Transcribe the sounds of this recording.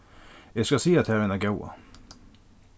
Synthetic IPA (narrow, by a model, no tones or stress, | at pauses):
jɛɪskɑsiːɑt̪hæːɾənæɾɡawa̰